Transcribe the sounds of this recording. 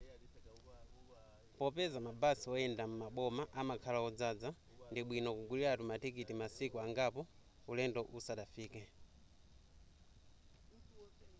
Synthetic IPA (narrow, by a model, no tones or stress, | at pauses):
pɔpɛzamabasiɔɛndamumaɓɔmaʔamakʰalaɔd͡zad͡za | ndiɓwinɔkuɡuliɾatumatikitimasikuaŋɡapɔ | ulɛndɔʔusaɗafiːkɛ